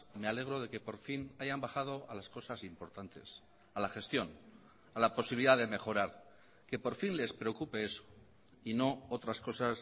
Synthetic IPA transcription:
me̞ale̞ɣ̞ɾo̞ðe̞ke̞po̞ɾfinaʝambaχað̞o̞alasko̞sasimpo̞ɾt̪ant̪e̞̰s | alaχe̞st̪jo̞n | alapo̞siβiliðaðe̞me̞xo̞ɾaɾ | ke̞po̞ɾfinle̞spɾe̞o̞kupe̞eso̥ | ino̞ot̪ɾasko̞sas

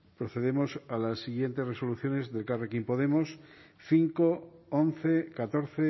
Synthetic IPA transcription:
pɾo̞θe̞ðemo̞salasːiɣje̞nt̪e̞zre̞so̞luθjo̞ne̞zðe̞lkarekimpo̞ð̞e̞mo̞s | θiŋkoonθekat̪o̞ɾθe

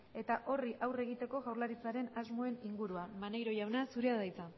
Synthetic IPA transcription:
e̞t̪aʔo̞riʔawre̞ɣ̞it̪e̞ko̞ɣawɾlaɾit͡saɾe̞nazmoe̞niŋɡuɾuamanejɾo̞ʝawnasuɾeaðajt͡sa

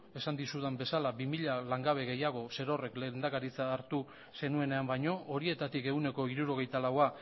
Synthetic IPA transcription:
e̞sand̪isuðembe̞salabimiʎalaŋɡaβ̞e̞ɣe̞jaɣ̞o̞se̞ɾo̞re̞klend̪akaɾit͡saːɾt̪u | se̞nue̞ne̞ambajɲo̞oɾie̞t̪at̪ike̞wne̞ko̞iɾuɾo̞ɣ̞e̞jt̪alawa

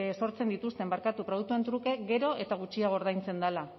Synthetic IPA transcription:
so̞ɾt͡se̞nd̪it̪ust̪e̞mbaɾkat̪upɾo̞ð̞uk̚t̪uent̪ɾuke̞ɡe̞ɾo̞e̞t̪aɣ̞ut͡ʃiaɣo̞ɾðajnt͡se̞nd̪ala

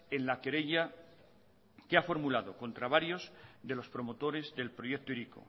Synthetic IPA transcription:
e̞nlake̞ɾe̞ʎa | keafo̞ɾmulaðo̞ko̞nt̪ɾaβaɾjo̞zðe̞lo̞spɾo̞mo̞t̪o̞ɾe̞zðe̞lpɾo̞jekt̪oiɾiko̞̰

